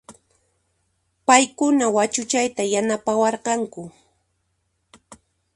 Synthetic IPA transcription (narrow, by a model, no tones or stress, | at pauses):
pajkʊnawat͡ʃʊt͡ʃajt̪ajanapawɑɾqɑŋkʊ